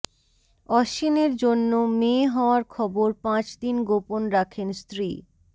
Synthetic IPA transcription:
ɔʃineɾd͡ʑonːomeɦɔoaɾkʰɔboɾpãt͡ɕd̪inɡoponɾakʰenst̪ɾi

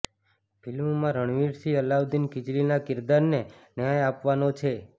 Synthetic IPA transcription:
fʰilmmãɾəɽ̃ʋiɾsʰiəlaʋd̪inkɪd͡ʒlinakɪɾd̪aɾnenjajapʋanot͡ʃʰe

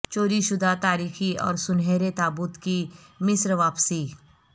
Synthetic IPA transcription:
t͡ʃoːɾiʃʊd̪ʱat̪aːɾiːxiɔ̰ːɾsʊnɦeːɾet̪aːbʊt̪kimɪsɾʋaːpsi

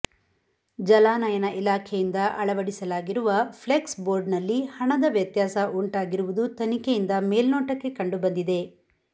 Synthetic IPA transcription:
d͡ʒɐlaːnɐjɐnɐʔilaːkʰejind̪ɐʔɐɭɐʋɐɽisɐlaːɡiɾuʋɐpʰleksboːɾɖnɐlːihɐɳɐd̪ɐʋjɐt̪jaːsɐuɳʈaːɡiɾuʋud̪ut̪ɐnikejind̪ɐmeːlnoːʈɐkːe̞kɐɳɖubɐnd̪id̪e̞

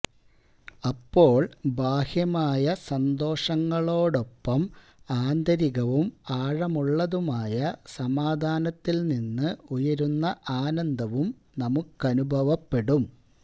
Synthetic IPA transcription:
ɐpːo̞ːɭbʱaːhjɐmaːjɐsɐnd̪o̞ːʂɐŋːɐɭo̞ːɽo̞pːɐm | aːnd̪ɐɾiɣɐʋumaːɻɐmuɭːɐðumaːjɐsɐmaːd̪ʱaːnɐt̪ːilninːɨujɐɾunːɐʔaːnɐnd̪ʱɐʋum | nɐmukːɐnubʱɐʋɐpːe̞ɽum

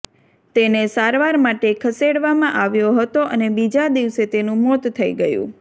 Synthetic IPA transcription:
t̪enesaɾʋaɾmaʈekʰəseɽʋamãʔaʋjoɦət̪oʔənebid͡ʒad̪iʋset̪enũmɔt̪t̪ʰːəḭɡəjṵ̃

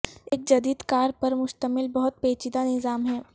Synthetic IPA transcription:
eːk̚d͡ʒɐd̪iːd̪kaːɾpɐɾmʊʃt̪əmɪlbɐɦʊt̪̚peːt͡ʃɪd̪anɪzaːmɦɛː

